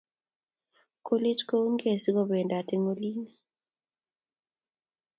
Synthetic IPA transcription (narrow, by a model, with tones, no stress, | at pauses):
ko˦le˦d͡ʒko˦ŋɡe˨si˦ɡɔ˦be˨nda˨te˦ŋo˦li˦na